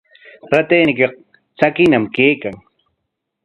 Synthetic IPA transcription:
ɾat̪eːnɪkɑq̚ | t͡sakɪnamkeːkaŋ

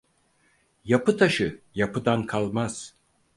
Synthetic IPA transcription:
japʰɯt̪ʰaʃɯjapʰɯd̪ankʰalˠmaz̥

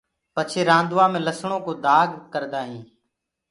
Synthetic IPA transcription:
pət͡ʃʰeːɾãːnd̪ʋaːmẽːləsɳõːkoːd̪ʱaːɡkəɾd̪aːɦĩː

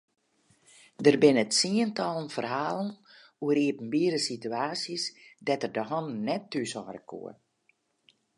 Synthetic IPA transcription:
dərbɪnətsiəntɔlˠənfərhaːlˠən̩ | uəɾiəpn̩biəɾəsityaːsjəsdɛtərdəɦɔnnnɛtːysɔːrəkʰṵə

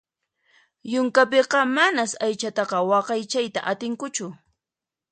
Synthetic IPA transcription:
jʊŋkap̬eqɑmanasajt͡ʃat̪ɑqɑwɑqɑjt͡ʃajt̪a̰ʔat̪ɪŋkʊt͡ʃʊ

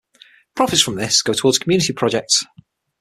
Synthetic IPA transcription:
pʰɹ̥ɒfɪtsfɹə̃mðɪsɡ̥oʊtʰəwɔːdz̥kʰmjʉːnɪtipʰɹ̥ɒd͡ʒɛk̚ts

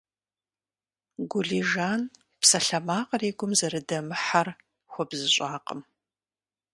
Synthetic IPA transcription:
ɡʷʊɮiːʒaːn | psɐɬɐmaːqʼəreːɡʷʊmzɐɾɨdɐmɨħar | xʷɔbzɨɕʼaːqʼə̰m

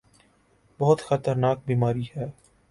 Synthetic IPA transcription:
bɔɦʊt̪xɐt̪əɾnaːk̚biːmaːɾihɛː

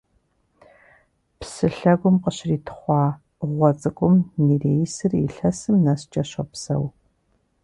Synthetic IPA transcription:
psɨɬɐɡʷʊmqəɕriːtʰχʷɑː | ʁʷɔt͡sʼɨkʷʼʊmniːreːjsɨriɬɐsɨmnɐst͡ʃʼɐɕɐpsɐ̰w

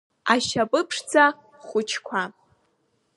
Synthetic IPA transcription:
aʃapʼɨpʰʂt͡sʰa | χʷʊt͡ʃʰkʷʰa

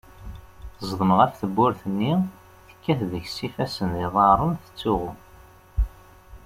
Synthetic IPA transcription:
zˤðˤəməʁæfθəbːʊɾθənːi | θə̥kːæθðəçsifæsənðiðˤɑɾˤənθə̥t͡sːʊʁʊ

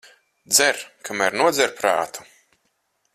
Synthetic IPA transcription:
d̪zɛɾkʰamæɾnuɔd̪zʲɛɾpɾa̰ːt̪u̥

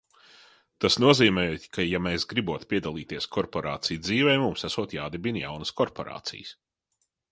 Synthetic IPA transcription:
t̪asnuɔziːmɛjut̪ʲkʰajamɛːsɡɾibuɔt̪pʲiɛd̪alˠiːt̪iɛskʰɔɾpɔɾa̰ːt̪sijd̪ziːvɛjmumsæsuɔt̪jaːd̪ebinja̰wnəskɔɾpɔ̰ɾa̰ːt̪sḭjəs

